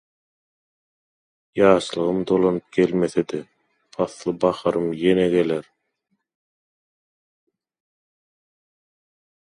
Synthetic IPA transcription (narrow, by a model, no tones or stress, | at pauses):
jɑːʃlˠɯʁɯmd̪o̞lˠonɯp̚ɡ̥e̞lme̞θed̪e | ɑθlˠɯbɑχɑɾɯmjeneɡe̞leɾ